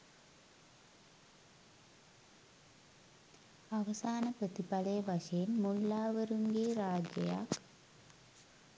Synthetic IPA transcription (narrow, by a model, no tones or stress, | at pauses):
ɐʋɐsaːnəprət̪ipɐlɐjəʋɐʂɐjenmulːaːʋəɾuŋɡeːɾaːd͡ʒjɐja̰k